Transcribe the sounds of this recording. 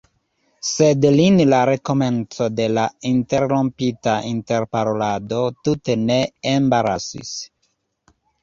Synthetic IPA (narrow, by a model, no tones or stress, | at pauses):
sedlinlaɾe̞ko̞me̞nt͡so̞de̞lainte̞ɾɾompitaʔinte̞ɾpaɾolado̞tute̞ne̞ːmbaɾasḭs